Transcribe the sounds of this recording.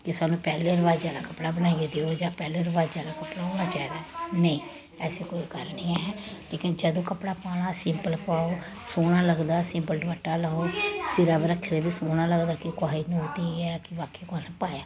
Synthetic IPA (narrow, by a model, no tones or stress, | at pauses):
kesaːnũːpɛːleːɾəʋaːd͡ʒaːlaːkəpɽaːbənaːied̪eːoːd͡ʒãːpɛːleːɾəʋaːd͡ʒaːlaːkəpɽaːoːɽ̃aːt͡ʃaːid̪aːnəĩː | ɛːseːkoːiːkəɾniːɛɦɛːleːkɪnd͡ʒəd̪õːkəpɽaːpaːɽ̃aːsɪmpəlpaːoː | soːɽ̃aːləɡd̪aːsɪmpəlɖəməʈːaːləoːsɪɾaːbɾəkʰːed̪eːbɪsoːñaːləɡd̪aːkɪkʊaːinũt̪iːɛːkɪʋaːkeːkʊaːnẽpaːjaː